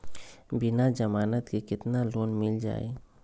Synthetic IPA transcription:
bɪnad͡ʒəmaːnət̪kekɪt̪naloːnmɪld͡ʒa̰ːḛ

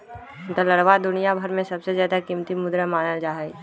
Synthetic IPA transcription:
t̪ələɽʋad̪ʊnijabʱɐɾmẽsɐbsezjaːd̪akimt̪imʊd̪ɾəmaːnəld͡ʒaːɦɛ

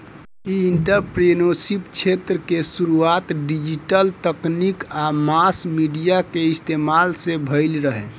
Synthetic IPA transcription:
iiɳʈəɾpɾenosipt͡ʃʰet̪ɾəkesuɾuat̪ɖid͡ʒiʈəlt̪əknikamasmiɖijakeist̪emalsebʱəɪlɾəɦe

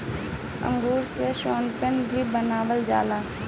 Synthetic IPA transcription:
ə̰̃ŋɡuːɾseʃoːnpənbʱibənaːʋəld͡ʒaːlaː

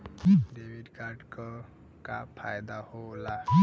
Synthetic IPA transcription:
debʱiɖkaɾɖkɔ | kapʰajd̪ahola

